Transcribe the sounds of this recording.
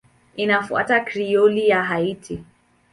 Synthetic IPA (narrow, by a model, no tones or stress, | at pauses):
inafua̰takɾiɔlijaɦaitʰi